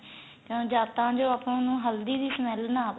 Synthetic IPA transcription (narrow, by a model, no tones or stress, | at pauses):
kõd͡ʒaːt̪ãːd͡ʒoːapñːnũːɦəld̪iːd̪iːsəmɛlnaː